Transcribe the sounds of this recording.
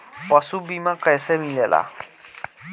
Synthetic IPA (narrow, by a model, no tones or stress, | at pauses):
pʌsubimakəjsemilela̰